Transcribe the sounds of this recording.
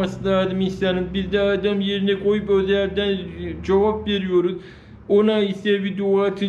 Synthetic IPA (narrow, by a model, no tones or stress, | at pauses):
asɯlˠad̪ɯmist̪aɾimbizd̪ɛad̪amje̞ɾinɛkʰo̞jupøzlʲæɾd̪ænd͡ʒavapve̞ɾijo̞ɾuz | onaisɛbid̪uat̪ʰɯ